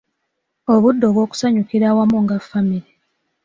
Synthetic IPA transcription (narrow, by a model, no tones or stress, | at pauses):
o̞βudːo̞βwo̞ːku̥saɲukiɾaːwamuŋɡafːamiɾi